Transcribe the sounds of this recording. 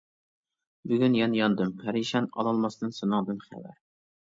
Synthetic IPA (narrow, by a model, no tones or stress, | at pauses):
byɡʲynjɛnjɑnd̪ɨmhæɾjiʃɛnɑ̰lˠɑlˠmɑsd̪ɨnsɨnɨŋd̪ɨnχæ̰wæ̰ɾ